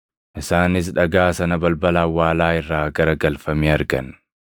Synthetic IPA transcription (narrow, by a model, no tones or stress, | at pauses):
ʔɪsaːnɪs̬ᶑɐɡaːsɐnɐbɐlbɐlaːwːaːlaːɪrːaːɡɐɾɐɡɐlfɐmiːɐɾɡɐ̰n